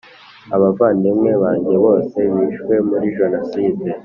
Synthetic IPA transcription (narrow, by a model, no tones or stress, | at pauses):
aβavaːndimŋe̞βaːɲɟe̞βo̞ːse̞βiːʃwe̞muɾiʒonosiːde